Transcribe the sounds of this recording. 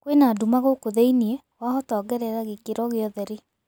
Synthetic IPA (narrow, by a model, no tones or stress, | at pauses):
kwenadumaɣokoðɛiniɛ | wahɔtɔːɡɛɾɛɣaɣekeɾɔɣeɔðɛɾe